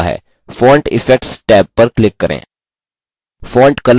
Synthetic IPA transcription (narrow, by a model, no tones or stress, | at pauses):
ɦɛ̰ː | fɔːɳʈɪ̰fek̚ʈsʈɛːpːɐɾklɪkːəɾḛ̃ː | fɔːɳʈkɐl